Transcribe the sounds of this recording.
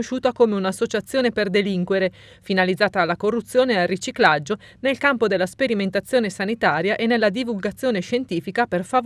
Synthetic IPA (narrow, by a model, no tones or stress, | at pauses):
oʃuːt̪akomeunasːot͡ʃat̪sːjoːneperd̪eliŋkweɾe | finalid̪zːaːt̪aːlːakorːut̪sːjoːnealrit͡ʃiklad͡ʒːo | nelkampod̪elːaspeɾiment̪at̪sːjoːnesanit̪aːɾjaʔenːelːad̪ivulɡat̪sːjoːneʃent̪iːfikaperfa